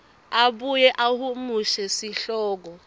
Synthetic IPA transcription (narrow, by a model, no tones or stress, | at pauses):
aɓujɛʔahumuʃɛsiɬɔːk̬ɔ